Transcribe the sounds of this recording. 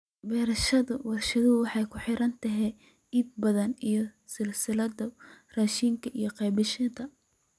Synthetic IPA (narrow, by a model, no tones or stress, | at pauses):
bɛːɾɐʃɐðʊwɑrʃɐðʊwɑħɑjkʰʊħɪɾɐnt̪ʰɐɦɛ | iːb̚bɐðɐnijɞsɪlsɪlɐdɐraːʃiːŋkʰɐʔijɞqɛjbɪʃɪt̪ʰɐ